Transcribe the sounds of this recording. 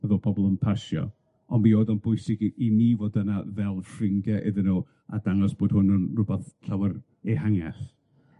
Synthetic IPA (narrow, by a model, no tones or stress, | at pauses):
əðɔpʰɔbɔlˠənpʰaʃjɔ̰ | ɔnmioːdɔnbʊɨsɪɡiniːvɔdənavɛlˠfrɪŋɡɛʔɪðɪnuː | a̰d̥aŋɔsb̥oːd̥hʊnənrʊbaθɬʰawər | ehaŋɛ̰θ